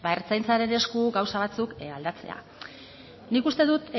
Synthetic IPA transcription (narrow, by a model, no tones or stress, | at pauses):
baeɾt͡sajnt͡saɾe̞ne̞skuɡawsaβ̞at͡sukald̪at͡se̞̰a̰ | nikust̪e̞ðut̪